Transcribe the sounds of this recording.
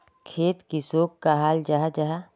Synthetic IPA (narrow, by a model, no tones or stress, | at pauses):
kʰeːt̪kisoːkːaɦaːld͡ʒaɦad͡ʒaɦa